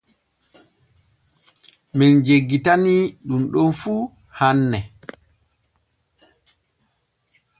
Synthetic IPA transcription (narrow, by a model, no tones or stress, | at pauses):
mind͡ʒeɡːitaniɗumɗɔnfuː | hanːɛ